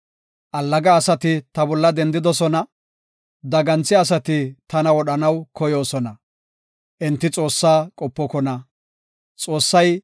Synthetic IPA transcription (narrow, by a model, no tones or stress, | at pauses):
ʔɐlːɐɡɐːsɐt̪ɪt̪ɐbɔlːɐd̪ɛnd̪ɪd̪ɔsɔnɐ | d̪ɐɡɐnt͡sːɪɐs̬ɐt̪ɪt̪ɐnɐwɔɗɐnɐwkɔjo̞ːsɔnɐ | ʔɛnt̪ːɪt͡sʼo̞ːsːaːkʼɔpːɔkɔnɐ | t͡sʼo̞ːsːɐj